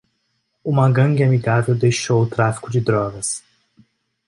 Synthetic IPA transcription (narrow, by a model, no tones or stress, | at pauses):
umɐ̃ɡɐ̃ŋɡɪamiɡavewd̪ejʃowʊt̪ɾafi̥kʊd͡ʒɪd̪ɾɔɡɐs